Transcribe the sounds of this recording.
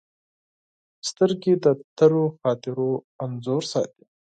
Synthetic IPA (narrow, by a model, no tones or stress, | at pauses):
st̪əɾɡed̪ət̪əɾoxɑːt̪ɪɾo | anzoɾsɑ̰t̪i̥